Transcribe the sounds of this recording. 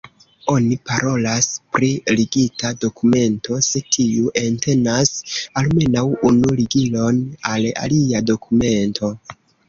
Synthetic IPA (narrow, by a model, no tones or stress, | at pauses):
o̞nipaɾʔo̞laspɾiliɡitado̞kume̞nto̞sekʰiuʔente̞nasalme̞nawunuliɡilo̞nala̰liado̞kʰume̞ntʰo̞